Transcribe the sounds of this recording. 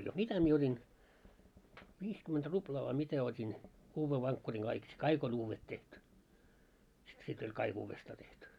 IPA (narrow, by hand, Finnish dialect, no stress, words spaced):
mitæ mie otʲin ʋiːskymːent ruplɑː ʋɑi mitæ otʲin uːʋːe ʋɑŋkːuriŋ ɡ̊ɑik si kɑik on uːʋːet tehty si sit olʲ kɑik uːʋːestɑː tehty